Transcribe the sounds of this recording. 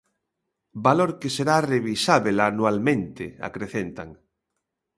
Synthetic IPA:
baloɾkeseɾareβisaβelanwalmẽnt̪ḛa̰kɾeθent̪aŋ

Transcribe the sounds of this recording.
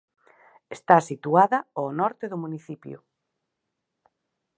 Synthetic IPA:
est̪asit̪uaðɐonɔɾt̪eðʊmuniθipjʊ̰

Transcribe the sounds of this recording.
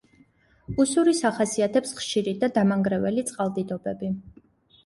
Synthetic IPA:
usuɾisaχasiat̪ʰɛpsχʃiɾid̪ad̪amaŋɡɾɛvɛlit̪sʼqʼalˠd̪id̪ɔbɛbi

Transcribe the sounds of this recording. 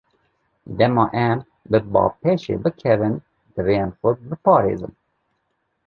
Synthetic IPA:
d̪ɛmɑːʔɛm | bɨbɑ̰ːpʰeʃḛːbɨkʰɛvɨn | d̪ɨrenfʊɾ̚bɨpʰɑːɾḛːzɨ̰n

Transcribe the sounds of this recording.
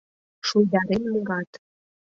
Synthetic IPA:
ʃujd̪ɑɾenmoɾɑt̪

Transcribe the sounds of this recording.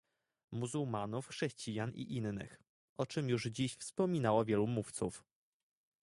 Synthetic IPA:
muzuwmanufxʂɛɕt͡ɕijanʔḭʔinːɘ̰x | ʔɔt͡ʂɘmjuʐd͡ʑiɕfspɔmʲinawɔvʲjɛlumuft̪suf

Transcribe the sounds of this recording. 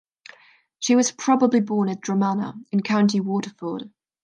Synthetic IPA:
ʃiwɒz̥pʰɹ̥ɒbəblibɔːnɪ̃ndɹəmanə̰ɪ̃nkʰãʊ̃ntiwɔˑtəfɔːd̥

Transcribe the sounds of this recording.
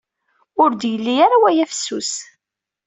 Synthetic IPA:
ʊɾd̪jəlːijaɾawæjæfsːus

